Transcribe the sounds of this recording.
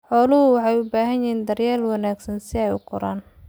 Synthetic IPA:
ħɔːlʊɦʊwɑħɑjʊbaːɦɐnjɪɦiːnd̪ɐrjaːlwɑnaːɡsɐnsɪɛjʊ̰qɔɾaːn

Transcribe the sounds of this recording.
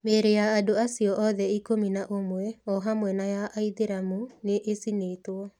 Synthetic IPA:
meɾejaːdoasiɔʔɔðɛikominaʔomwɛɔɦamwɛnajaʔaiðeɾamuneʔesineːtwɔ

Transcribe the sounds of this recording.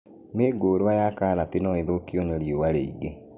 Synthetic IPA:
meːɡoːɾwajakaːɾatinɔeðokioneɾjowaɾeiɡe

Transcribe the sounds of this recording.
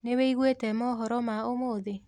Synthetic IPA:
neweiɣwetɛmɔɦɔɾɔmaomoðe

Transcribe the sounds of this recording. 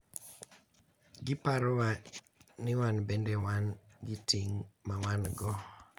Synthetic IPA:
ɡɪpaɾɔwa | nɪwanbendewanɡɪtiŋmawanɡɔ

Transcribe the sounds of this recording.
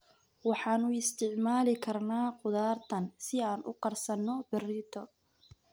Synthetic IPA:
wɑħɑːnʊɪst̪ʰɪʕmaːlɪkʰɐrnaːqʊðaːrt̪ʰɐnsɪaːnʔʊ̰qɐrsɐnːɔbɪrɪt̪ʰɔ

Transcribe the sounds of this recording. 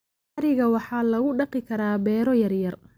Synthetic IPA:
aɾɪɣɐwɑħɑːlɐɣʊɖɑqɪkʰɐɾaːbɛːɾɔjɐrjɐr

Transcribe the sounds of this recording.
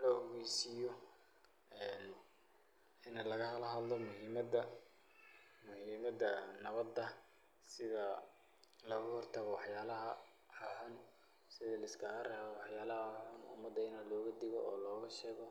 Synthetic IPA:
lɔɔɣɛjsɪjɔ | ɛn | ɪnɐlɐɣɐhɐlɐɦɐd̪lɔmʊhimɐd̪ɐ | mʊhiːmɐd̪ɐnɐβɐd̪ɐ | sɪðɐ | lɐɣɐhɔrt̪ʰɐɣɔwɑħjaːlɐɦɐ | ħɔħʊn | sɪðɐlɐɪskʰɐɾɐwɑħjaːlɐhɐħʊnʊ̰mɐd̪ːɐɪnɐlɔːɣɐd̪ɪɣɔ̰ɔːlɔːɣɐʃɛːɣɔ

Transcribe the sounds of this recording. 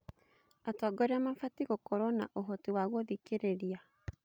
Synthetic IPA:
atɔːɡɔɾeamafatiɣokɔɾɔna̰ʔoɦotiwaɣwoðikeɾeɾia

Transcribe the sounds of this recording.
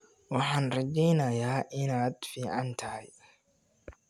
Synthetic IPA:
wɑħɑːnrɐt͡ʃɛjnɐjaːʔɪnaːd̪fiːʕɑnt̪ʰɐhɐj

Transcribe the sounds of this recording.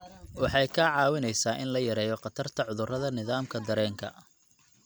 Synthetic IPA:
wɑħɑjkʰɐʕɑːwɪnɛjsaːʔɪnlɐjɐɾɛːjɔqɑt̪ʰɐrt̪ʰɐʕʊðʊrɐðɐnɪðaːmkʰɐd̪ɐɾɛːŋkʰɐ̰

